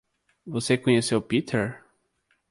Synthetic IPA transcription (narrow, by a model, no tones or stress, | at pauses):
vosekõɲesewpit̪ʰɛɾ